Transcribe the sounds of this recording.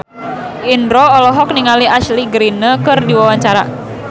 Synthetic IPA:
ʔindɾɔːlɔɦɔk̚niŋaliasliɡɾinəkɨrdiwawaɲt͡ʃaɾa̰

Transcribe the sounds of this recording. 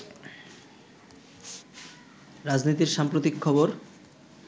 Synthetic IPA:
ɾad͡ʑnit̪iɾʃampɾot̪ikʰːɔboɾ

